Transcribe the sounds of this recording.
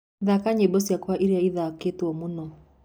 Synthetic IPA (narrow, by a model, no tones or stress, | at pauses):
ðakaɲebɔsjakwaʔiɾeaiðaketwɔmunɔ